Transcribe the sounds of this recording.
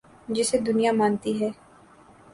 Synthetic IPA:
d͡ʒɪsed̪ʊnijaːmãːnt̪iɦɛː

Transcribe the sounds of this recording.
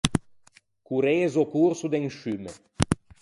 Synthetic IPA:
kuɾeezokuɾsud̪eŋʃyme

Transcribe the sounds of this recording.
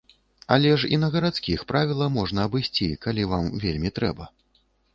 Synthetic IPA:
a̰lʲɛʂḭnɐɣɐɾat̪skʲixpɾavʲilˠɐmɔʐnɐːbɨjsʲt͡sʲikalʲivamvʲelʲmʲit̪ɾɛ̰bɐ

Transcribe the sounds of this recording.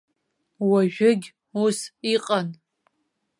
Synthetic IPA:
waʒᶣʊɡʲ | usiqʼan

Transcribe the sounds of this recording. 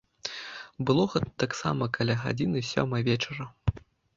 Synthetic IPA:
bɨlˠɔɣɛt̪ɐ̥t̪aksa̰mɐkalʲaɣa̰d͡zʲinɨsʲɔ̰mɨjvʲɛt͡ʂɐɾɐ

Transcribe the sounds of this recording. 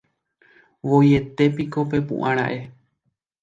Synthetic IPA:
ʋo̞je̞t̪e̞piko̞p̬e̞pṵ̃ʔãɾ̃ã̰ʔe̞

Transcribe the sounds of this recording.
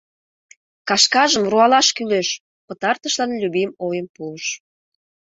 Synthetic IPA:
kɑʃkɑʒəmruɑlɑʃkyleʃ | pət̪ɑrt̪əʃlɑnlʲyβemojəmpuəʃ

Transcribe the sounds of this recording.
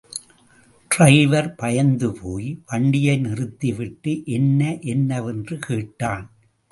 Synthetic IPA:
ʈrɐɪʋɐɾpɐjɐnd̪ɯpʰoːjʋɐɳɖɪjɐɪnɪrɯt̪ːiʋɪʈːɯʔɛnːɐʔɛnːɐʋɛndrɯkeːʈːaːn

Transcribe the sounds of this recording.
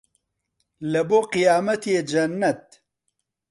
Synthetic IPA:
lɛboːqijaːmɐt̪eːd͡ʒɐnːɐt̪̚

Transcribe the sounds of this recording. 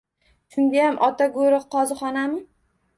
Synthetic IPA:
ʃʰʊŋɡ̪ʲajamʔɒt̪aɡoɾɨqʰːɒzɨχɒnamɪ

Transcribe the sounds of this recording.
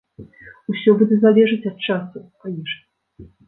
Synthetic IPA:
usʲɔbud̪ʲɛzalʲɛʐɨt͡sʲɐt̪̚t͡ʂasupajʲiʂʲ

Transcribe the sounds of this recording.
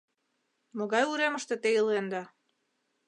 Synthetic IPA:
moɣɑjuɾemə̆ʃt̪ĕt̪ejəlend̪ɑ

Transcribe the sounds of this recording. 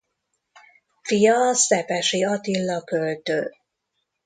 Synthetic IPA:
fijɒsɛpɛʃiɒt̪ilːɒkølt̪øː

